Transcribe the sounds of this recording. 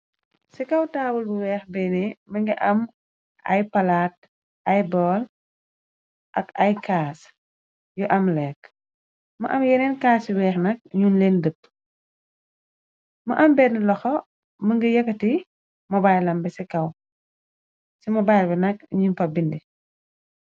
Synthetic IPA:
sikɐwtaːwulbuwɛːxbɛnimɐŋɡiʔɐm | ʔɐ̰jpɐlaːt̚ | ʔɐjbɔːl | ʔɐ̰kɐjkaːs | juʔɐmlɛːk | mɐ̰ʔɐmjɛnɛnkaːsiwɛːxnɐk̚ɲunleːndəp̚ː | mɐʔɐmbɛnilɔxɔ | mɐŋɡəjɐkːɐti | mɐbajlɐmbɛsikɐw | simɐbajlbɛnɐk̚ɲunfɐbindi

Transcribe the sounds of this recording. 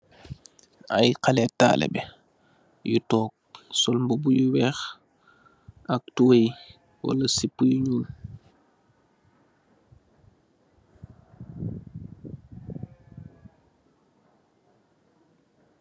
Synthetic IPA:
a̰jqalɛta̰ːlɛ̰bɛ | jutɔːk̚sɔlmbobujuwɛx | ak̚tuwej | wo̰lɐsipːujuɲun

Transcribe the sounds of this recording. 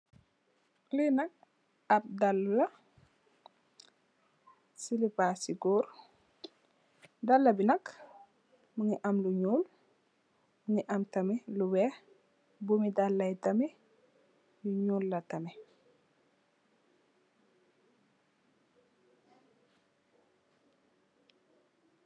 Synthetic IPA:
linɐk̚ | ɐp̚dɐlːulɐ | silipasiɡuɾ | dɐlːɐbinɐk | muŋiʔɐmluɲuːl | muŋiʔɐmtɐmɛluwɛ | bumidɐlːɐjtɐmɛ | juɲuːlːɐtɐmɛ

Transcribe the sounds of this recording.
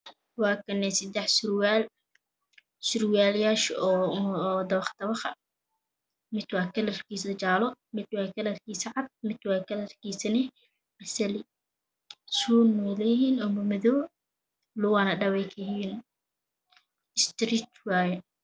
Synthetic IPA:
wɑːkʰɐnːɛsɪd̪ɛħsʊrwal | sʊɾwaːljaːʃɔ | d̪ɐβɐχd̪̥ɐβɐχɐ̰ | mɪd̪wɑːkʰɐlɐrkiːsɐt͡ʃaːlɔmɪd̪wɑːkʰɐlɐrkiːsɐʕɑd̪̚mɪd̪wɑːkʰɐlɐrkʰiːsɐnɪ | bɐsɐlɪ | suːnɔlɛjɦiːnɔmɐmɐðɔː | lʊwanɐɖɐβɛːkʰɪhiːn | ɪst̪ɾiːt̪waːjɛ

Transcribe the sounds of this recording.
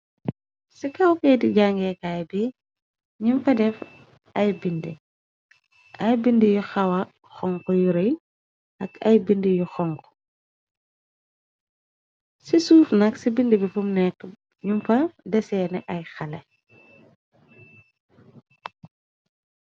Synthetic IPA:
sikɐwkɛːdiɟaŋɡɛkajbi | ɲumfɐdɛf | ʔɐjbindi | ʔɐjbindijuxɐwɐ | xɔŋkɔjuɾej | ʔɐkɐjbindijuxɔŋkɔ̥ | sisuːfnɐksibindibifumnɛkː | ɲumfɐdɛsɛːnɛʔɐjxɐlɛ

